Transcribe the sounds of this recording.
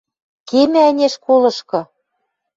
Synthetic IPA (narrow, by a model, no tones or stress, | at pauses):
kemĕænʲeʃkolɤ̆ʃkɤ̆